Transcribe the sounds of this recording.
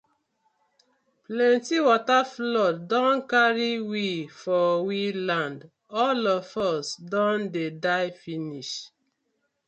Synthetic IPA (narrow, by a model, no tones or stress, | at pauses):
plɛ̃ntiwɔtaflɔtdɔ̃nkaɹiwifɔwilãnd | ɔlɔvɔsdɔ̃ndedaɪfiniʃ